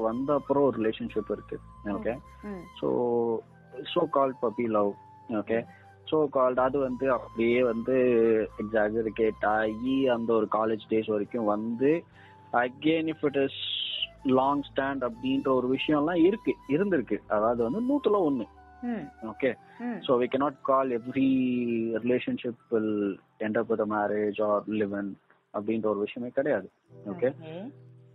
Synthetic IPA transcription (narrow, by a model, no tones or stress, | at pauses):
ʋɐnd̪ɐpːɯɾõɔɾɯɾɪleːʂɐnʂɪpːɪɾɯkːɯoːke | so̰ː | soːkaːlɖ̚pɐpːilɐʋ | oːkeː | soːkaːlɖɐðɯʋɐnd̪ɯɐpːɐɽɪjeːʋɐnd̪ɯɛɡzaːɡɪɾɯkːeʈːaːjiɐnd̪ɐɔɾɯkaːleːd͡ʒɖeːsʋɐɾɪkːʊ̃ʋɐnd̪ɯ | ɐɡeːnɪfɪʈɪs | lɔːŋɡsʈæːɳɖɐpːɽindɾɐɔɾɯʋɪʂɐjɔ̃lãːɪɾɯkːɯɪɾɯnd̪ɪɾɯkːɯʔɐðaːɐðɯʋɐnd̪ɯnuːt̪ːɯlãːɔnːɯ | oːkeː | soːʋiːkɛnaːʈ̚kɔːlɛʋɾiɾɪleːʂɐnʂɪpːɪl | ɛɳɖ̪ɐpːɐðɐmaːɾed͡ʒɔːɾlɪʋɛn | ɐpːɽindɾɐɔɾɯʋɪʂɐjɐ̃meːkɐɽɐjaːðɯ | oːkeː